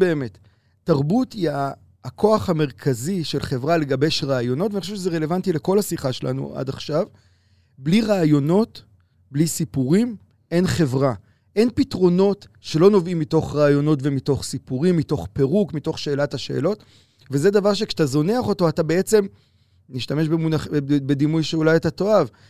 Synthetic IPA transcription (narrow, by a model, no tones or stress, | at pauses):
beːme̞tː | aʁbutiaː | kʰo̞aχhame̞ʁkʰaziʃe̞lχe̞vʁale̞ɡabe̞jʃʁaːjo̞no̞tvaniχoʃevʃezeʁe̞levantile̞ko̞lhasiχaʃelʔa̰nṵʔa̰daχʃav | bliʁaːjo̞no̞t | blisipuʁim | e̞nχe̞vʁa | ʔe̞npitʁo̞no̞t | ʃe̞lo̞no̞vimːito̞χʁaːjo̞no̞tvemito̞χsipuʁimːito̞χpeʁukmito̞χʃe̞ːlataʃe̞̰ːlo̞t | veze̞d̪avaʁʃ̬ekʃt̪azo̞neaχo̞to̞atabeet͡se̞m | niʃtame̞ʃbemunaχbed̪imujʃeulajetato̞av